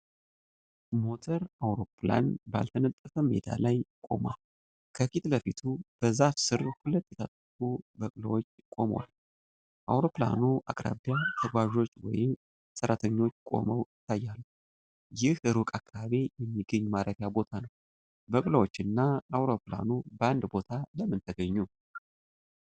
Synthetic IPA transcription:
mo̞t̪ʰəɾawɾo̞pla̰nba̰lt̪ʰənət̪ʼːəfəmḛd̪a̰lajkʼo̞ma | kʰəkit̪ləfit̪ʰub̥əzafsɨɾhulət̪ːjɛt̪ʰat̪ʼːəfubəkʼləwot͡ʃːkʼo̞mwa̰l | ʔawɾo̞pla̰nuʔa̰kʼɾa̰βijat̪ʰəɡʷaʒo̞t͡ʃːwɔ̰jɪm | səɾat̪ʰəɲːo̞t͡ʃːkʼo̞̰məwjɪt̪ʰːajːalː | jɪhɨɾukʼakʰːaβaβe̞jɛmːiɡəɲːmaɾəɾjabo̞t̪ʰanəw | bəkʼləwot͡ʃːɨnːaawɾo̞pla̰nubəand̪bo̞t̪ʰaləmːɨnt̪ʰəɡəɲːu

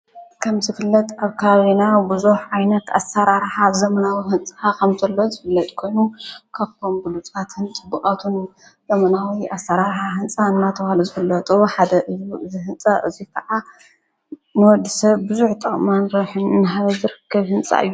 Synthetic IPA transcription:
kʰɐmzɨfɨlːɐt̪ʼaβkʰɐaβaβinabɨzuħʕajnɐt̪a̰saɾaɾħazɐmɐnawiɦɨnt͡sʼakʰɐmzɐlːozɨfɨlːɐt̪ʼkʰo̞jnukʰaβt̪ʰombɨlut͡sʼat̪hɨnt͡sʼɨbːɨχʼat̪ʰun | zɐmɐnawiʔasɐɾaɾħaɦɨnt͡sʼaɨnːat̪ʰɐβaluzɨfɨlːɐt̪ʼuħad̪ɐʔɨjuɨzihɨnt͡sʼɐʔɨ̰zikʰɐʕa | nɨwɔd̪ɨsɐβbɨzuħt̪ʼɐχʼmanɾɐħɨnːɨɦaβɐzɨɾɨkʰːɐβhɨnt͡sʼa̰ʔɨ̰jːu

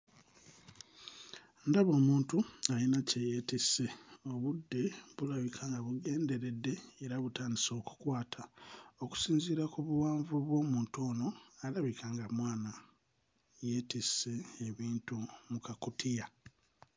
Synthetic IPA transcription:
ndaβo̞ːmuːntuajinacejetisːeo̞βudːe̞βulaβikʰaːŋɡaβuɡe̞ːnde̞ɾe̞dːe̞ːɾaβutaːndiso̞ːku̥kwaːtʰao̞ku̥siːnziɾakuβuwaːɱvuβwo̞ːmuːnto̞ːno̞alaβikaːŋɡamwaːna | je̞tiseːβiːntumukakutʰija

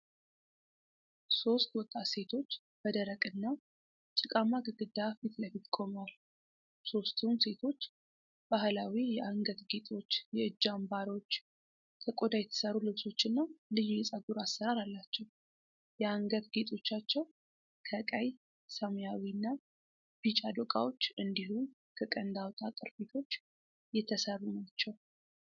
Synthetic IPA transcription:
so̞st̪wɔt̪ʼːase̞t̪ʰo̞t͡ʃː | b̥əd̪əɾəkʼɨnːa | t͡ʃʼɨkʼamaɡɨɡɨd̪afit̪ləfit̪kʰʼo̞mwal | so̞st̪ʰumse̞t̪ʰo̞t͡ʃː | b̥ahlawijɛʔaŋɡət̪ɡet̪ʼo̞t͡ʃːjɛɨd͡ʒːambaɾo̞t͡ʃː | t̪ʰəkʼod̪ajɛt̪ʰə̥səɾulɨβso̞t͡ʃːɨnːalɨjujɛsʼaɡuɾasːəɾaɾalːat͡ʃːɛw | jɛaŋɡət̪ɡet̪ʼo̞t͡ʃːat͡ʃːɛw | kʰəkʼaj | səmjawinːa | b̥it͡ʃʼad̪okʼa̰wo̞t͡ʃːɨnd̪ihum | kʰəkʼənd̪awt̪ʼat̪ʼəɾfet̪ʰo̞t͡ʃː | jɛt̪ʰəsərːunat͡ʃːɛw

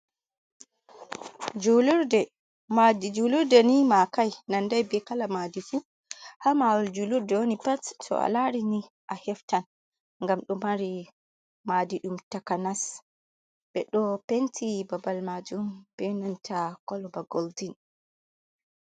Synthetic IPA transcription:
d͡ʒuluɾdɛ | madid͡ʒuluɾdɛnimakajnandajbɛkalamadifu | hamawɔld͡ʒuluɾdɛwonipattɔ̰a̰laɾini | ʔahɛftan | ŋɡamɗɔmaɾi | madiɗumtakanas | bɛɗɔpentʰibabalmad͡ʒumb̥ɛnantʰakɔlɔbaɡoldin

